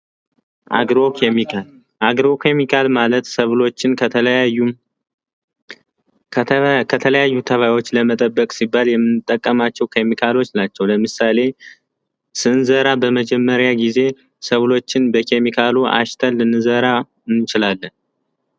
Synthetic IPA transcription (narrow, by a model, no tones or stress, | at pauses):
ʔa̰ɡɾokʰemikʰal | ʔaɡɾo̞kʰemikʰalmalət̪səβlo̞t͡ʃːɪnkəəlu | kʰət̪ʰələjajːut̪ʰəβajwo̞t͡ʃːləmət̪ʼəbːəkʼsibːaljɛmːɨnːɨt̪ʼːəkʼːəmat͡ʃːɛwkʰe̞mikʰalo̞t͡ʃːnat͡ʃːɛwləmɨsale̞ | sɨnzəɾabəməd͡ʒɛmːəɾjaɡize̞ | səβlo̞t͡ʃːɪnbəkʰe̞mikʰaluʔa̰ʃt̪ʰəlːɨnːɨzəɾa | ɨnːɨt͡ʃɪlalːən